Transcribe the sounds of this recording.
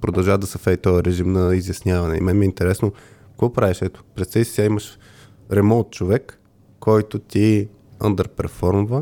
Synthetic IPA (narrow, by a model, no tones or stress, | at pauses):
pɾod̪ɐlˠʒavd̪ɐsɐfɛd̪it̪ɔjəɾɛʒimnɐizʲjɐsnʲavɐnɛḭmɛnmɛint̪ɛɾɛsno | kvɔpɾaviʃɛt̪o̥pɾɛst̪ɛisi̥t̪ʲaiməʃ | ɾɛmɔnt̪̚t͡ʃovɛkː | ɔjt̪ʊt̪ʲi | ə̰nd̪əɾpɛɾfɔɾmvə